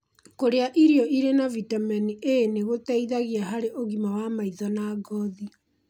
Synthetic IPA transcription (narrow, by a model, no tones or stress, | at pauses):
koɾeaʔiɾiɔʔiɾenavitamɛniʔeneɣotɛiðaɣiaɦaɾeʔoɣimawamaiðɔnaːɡɔði